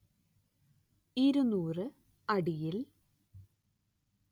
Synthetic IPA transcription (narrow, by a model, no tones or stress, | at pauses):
iɾunːuːrɨ | ɐɽijil